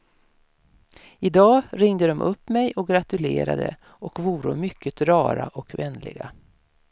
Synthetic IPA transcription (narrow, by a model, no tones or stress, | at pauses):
ɪd̪ɑːɾɪŋd̪əd̪ɔmʔɵpːmɛjɔk̚ɡɾat̪ɵleːɾa̰d̪ə̰ | ɔkvuːɾəmʏkʰːət̪ɾɑːɾaʔɔkvɛnːlɪ̰ɡa